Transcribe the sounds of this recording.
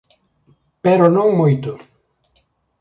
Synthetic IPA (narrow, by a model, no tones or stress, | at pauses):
peɾʊnõŋmojt̪ʊ